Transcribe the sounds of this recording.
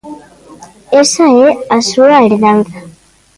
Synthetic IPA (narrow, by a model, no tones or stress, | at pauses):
esaeasuaeɾðaŋɡa